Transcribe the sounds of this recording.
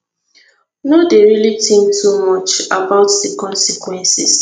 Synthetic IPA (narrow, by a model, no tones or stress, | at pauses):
nodeɹilitʰĩmtʰumɔt͡ʃabaʊtdikɔ̃nsikwɛ̃nsis